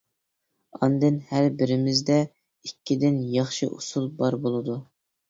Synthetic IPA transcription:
ɑ̰nd̪ɨnhæɾbɪɾɪmɪzd̪ɛ | ikʲʰːid̪ɪnjɑχʃḭʔṵsulˠbɑɾbolˠɨd̪u

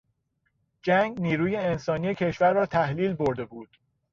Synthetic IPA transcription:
d͡ʒæŋɡniːɾuːje̞ensɒːnije̞cʰe̞ʃvæɾːɒːt̪ʰæhliːlbo̞ɾd̪e̞buːd̪̥

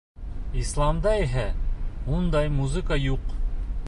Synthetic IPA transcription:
islˠɑmd̪ɑiɦæund̪ɑjmuzɨkajuq

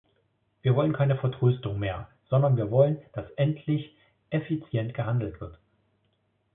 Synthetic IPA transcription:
v̥iːɐvɔlənkʰaɪnəfɛɐtʁ̥øːstʊŋmeːɐz̥ɔndɐnviːɐvɔlənd̥asʔɛntʰlɪç | ʔefit͡sjɛntɡ̥əɦandl̩tv̥ɪɐt

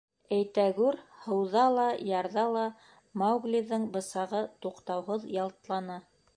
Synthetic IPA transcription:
æjt̪æɡʉɾhɤ̆wðɑlˠɑjɑɾðɑlˠɑ | mɑwɡlʲiðɤɴbɤ̆sɑʁɤt̪uqt̪ɑwɦɤðjɑlˠt̪lˠɑnɑ

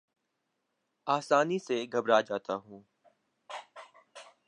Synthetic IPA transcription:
aːsaːniseɡʱəbɾad͡ʒaːt̪aɦũː

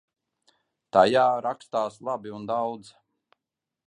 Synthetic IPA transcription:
t̪ajaːɾakst̪aːslˠabiund̪awd̪z

